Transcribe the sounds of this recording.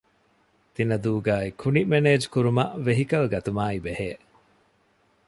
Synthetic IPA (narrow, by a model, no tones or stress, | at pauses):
t̪inɐd̪uːɡaːikʰunimeneːd͡ʒkuɾumɐʔʋeɦikɐlɡɐt̪umaːibeheː